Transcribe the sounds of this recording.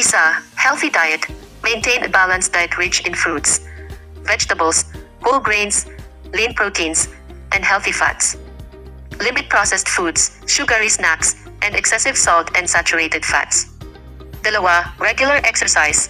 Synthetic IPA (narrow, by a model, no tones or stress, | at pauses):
isahɛlˠθidajɛt̪ | mẽnt̪ẽnəbalãnsd̥̪ajtʰɹɪt͡ʃɪ̃nfɹuds | vɛd͡ʒt̪əbəlsholɡɹẽɪ̃ns | lĩnpɹot̪ʰĩns | ʔɛ̃ndhɛlˠθifa̰ts | lɪmɪt̪̚pʰɹɔsɛstfuds | ʃuɡəɹisnæks | ʔɛ̃ndɛksɛsɪv̥sɔlt̪ʰɛ̃nsat͡ʃʊɹetɛd̥fa̰t̪s | d̪ɛlowaɹɛɡjʊlɐɹʔɛksɛɹsaɪs